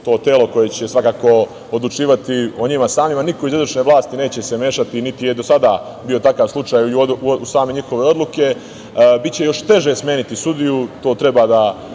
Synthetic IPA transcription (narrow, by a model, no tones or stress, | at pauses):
t̪o̞ːt̪e̞ːlo̞ko̞je̞t͡ɕesʋakaːko̞ | od̪lˠut͡ʃiːʋat̪io̞ɲimasaːmimanikoizid̪ot͡ʃne̞ʋlˠaːst̪ine̞ːt͡ɕe̞seme̞ːʃat̪init̪ije̞d̪osad̪a | bio̞t̪akaːʋslˠut͡ʃaːjusaːme̞ɲixo̞ʋe̞o̞d̪lˠuke̞ | bit̪̚t͡ɕe̞jo̞ʃt̪e̞ʒesmʲje̞ːnit̪isud̪ijut̪o̞ːt̪ɾe̞bad̪a